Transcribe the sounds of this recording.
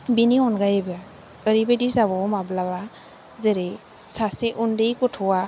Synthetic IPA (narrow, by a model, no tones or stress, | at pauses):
biniɔnɡajeba | əɾibedisaβɔmablaβa | zeɾej | saseʔundejkɔtʰɔwa